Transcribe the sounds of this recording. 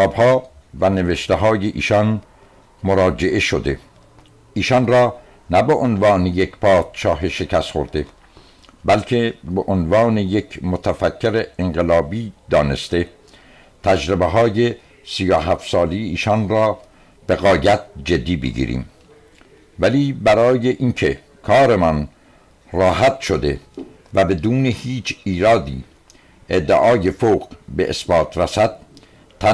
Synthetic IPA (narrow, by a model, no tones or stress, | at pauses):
ɒːbhɒː | væneveʃt̪eɦɒːjeʔḭːʃɒn | moɾɒːd͡ʒeʔeʃod̪e̞ | iːʃɒnrɒː | næbeʔonvɑːnejekʰpʰɒːt̪ʃɒːɦeʃekʰæst̪χo̰ɾd̪e̞ | bælkʰe̞beʔonvɑːnejekʰmot̪ʰæfækʰːeɾeeŋɢelɒːbiːd̪ɒːne̞̰st̪e̞ | t̪ʰæd͡ʒɾebeɦɒːje | sijoɦæft̪sɒːlejiːʃɒnɾɒː | b̥e̞ɣɒːjæt̪̚d͡ʒed̪ːiːbḛɡḭːɾḭːm | væliːbæɾɒːje̞ʔinkʰe | kʰɒːɾemɒn | rɒːɦæt̪ʃo̞d̪e̞ | væbe̞d̪uːnehiːt͡ʃʰiːɾɒːd̪iː | ʔed̪ːeʔɒːjefoːɣbeʔḛsbɒːt̪ʰɾæsæd̪̥̚ | t̪ʰːæ